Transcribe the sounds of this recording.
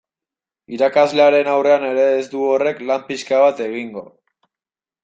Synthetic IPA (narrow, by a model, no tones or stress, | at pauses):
iɾakazle̞aɾe̞nawre̞ane̞ɾe̞ːzd̪uo̞re̞klampiskaβat̪e̞ɣ̞iŋɡo̞